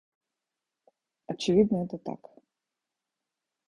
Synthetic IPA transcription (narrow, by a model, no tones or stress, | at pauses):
ɐt͡ɕɪvʲid̪nəɛt̪ət̪a̰k